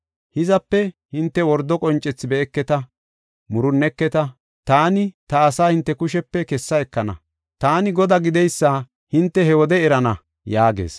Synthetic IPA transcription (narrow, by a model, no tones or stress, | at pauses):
hɪzɐpːɛhɪnt̪ːɛwɔɾd̪ɔkʼɔnt͡ʃʼːɛt͡sːɪbɛɛkːɛt̪ɐ | mʊɾʊnːɛkːɛt̪ɐ | t̪aːnɪt̪ɐːsaːhɪnt̪ːɛkʊʃɛpːɛkɛsːɐɛkːɐnɐ̰ | t̪aːnɪɡɔd̪aɡɪd̪ɛjsːa | hɪnt̪ːɛhɛwɔd̪ɛɛɾɐnɐ | jaːɡḛːs